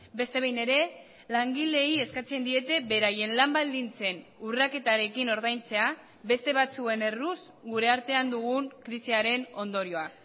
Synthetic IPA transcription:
be̞st̪e̞βejne̞ɾe̞ | laŋɡile̞ie̞skat͡se̞nd̪ie̞t̪e̞βe̞ɾaje̞nlambald̪int͡se̞nurake̞t̪aɾe̞kino̞ɾðajnt͡se̞a | be̞st̪e̞β̞at͡sue̞ne̞rus | ɡuɾe̞aɾt̪e̞and̪uɣ̞uŋkɾisiaɾe̞no̞nd̪o̞ɾio̞a

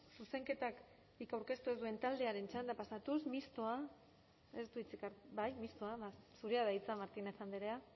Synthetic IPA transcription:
suse̞ŋke̞t̪ak | bikawɾke̞st̪ue̞zd̪ue̞nt̪ald̪e̞aɾe̞nt͡ʃand̪apasat̪usmist̪o̞a | est̪uit͡sikaɾbajmist̪oaβasuɾeaðait͡samaɾt̪ineθand̪eɾea

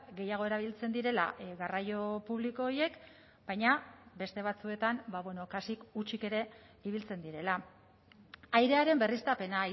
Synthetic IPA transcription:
ɡe̞jaɣ̞o̞e̞ɾaβ̞ilt͡se̞nd̪iɾe̞la̰ɣarajo̞puβ̞liko̞ːɾje̞k | b̥ajɲabe̞st̪e̞β̞at͡sue̞t̪ambaβwe̞no̞kasikut͡ʃike̞ɾe̞ | iβ̞ilt͡se̞nd̪iɾe̞la | ajɾe̞aɾe̞mbe̞rist̪ape̞nai

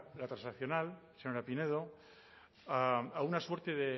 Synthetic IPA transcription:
lat̪ɾasnaθjonalsenonlapineð̞o | aaunasweɾt̪eðe

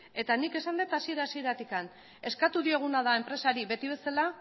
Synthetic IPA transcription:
e̞t̪anike̞sand̪et̪asieɾaːsie̞ɾat̪ikan | e̞skat̪uðie̞ɣ̞unaðae̞mpɾe̞saɾiβe̞t̪iβ̞e̞sala

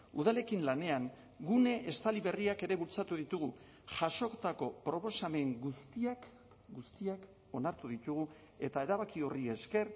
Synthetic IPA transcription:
uð̞ale̞kinlane̞aŋ | ɡune̞ʔest̪aliβe̞riake̞ɾe̞βult͡sat̪uðit̪uɣu | ʝaso̞kt̪ako̞pɾo̞po̞same̞ŋɡust̪iak | ɡust̪iak | o̞naɾt̪uðit̪uɣ̞u | e̞t̪ae̞ɾaβakio̞rie̞ske̞r

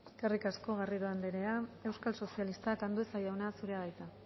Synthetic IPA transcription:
karikasko̞ɣ̞ariɾoand̪eɾe̞ae̞wskalso̞sialist̪akand̪uesajawnasuɾe̞aðajt̪a

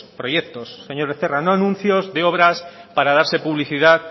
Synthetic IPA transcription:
pɾojek̚t̪osːeɲoɾβeθeranoanũn̟θjozðeoβ̞ɾaspaɾaðaɾse̞puβliθiðað

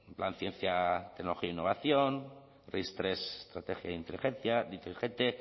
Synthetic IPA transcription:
emplanθjẽ̞nθjat̪eknoloiaoinːoβ̞aθjon | rest̪ɾese̥st̪ɾat̪exja̰ðint̪elixẽnθjad̪int̪elixet̪e

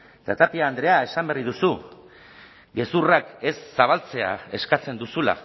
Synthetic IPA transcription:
t̪at̪apiaːnd̪ɾe̞ae̞samberiðusu | ɡe̞surake̞sːaβ̞alt͡se̞a̰e̞skat͡se̞nd̪usula̰

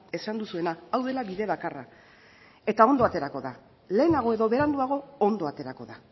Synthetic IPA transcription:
e̞sand̪usue̞naːwðe̞laβiðe̞βakara̰ | e̞t̪ao̞nd̪o̞at̪e̞ɾako̞ða | le̞ːnaɣ̞o̞e̞ðo̞βe̞ɾand̪uaɣo̞ond̪o̞at̪e̞ɾako̞ða

